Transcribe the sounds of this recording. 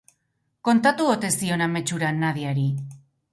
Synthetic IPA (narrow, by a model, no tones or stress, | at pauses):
ko̞nt̪at̪uot̪e̞st̪io̞name̞t͡ʃuɾanːað̞iaɾi